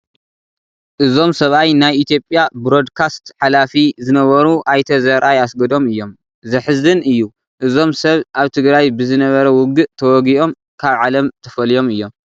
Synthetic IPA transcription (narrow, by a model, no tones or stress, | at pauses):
ʔɨzo̞msɐβajnajʔit̪ʰijo̞pʼjabɾo̞d̪kʰast̪ħalafizɨnɐβɐɾuʔajt̪ʰɐzɐɾʔajasɡɐd̪o̞mɨjːo̞m | zɐħɨzɨnɨjːu | ʔɨzo̞msɐβʔaβt̪ʰɨɡɾajbɨzɨnɐβɐɾɐwʊɡɨʔt̪ʰɐwɔɡiʔo̞m | kʰaβʕalɐmt̪ʰɐfɐlijo̞mɨjːo̞m